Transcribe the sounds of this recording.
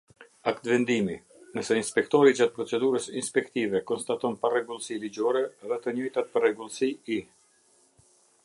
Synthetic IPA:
akt̪vɛnd̪imi | nəsɛinspɛkt̪ɔɾid͡ʒat̪̚pɾɔt͡sɛd̪uɾəsinspɛkt̪ivɛkɔnst̪at̪ɔnparɛɡulˠsilid͡ʑɔɾɛɛðɛt̪əɲɔjt̪at̪̚pərɛɡulˠsii

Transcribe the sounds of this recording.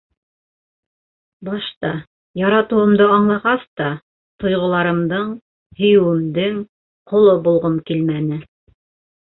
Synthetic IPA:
bɑʃt̪ɑ | jɑɾɑt̪ɤ̆wɤ̆md̪ɤɑɴlˠɑʁɑst̪ɑ | t̪ŏjʁŏlˠɑɾɤ̆md̪ɤɴ | hɵ̆jɘ̆wɘ̆md̪ɘŋ | qʰŏlˠobulˠʁɤmkilmænɘ

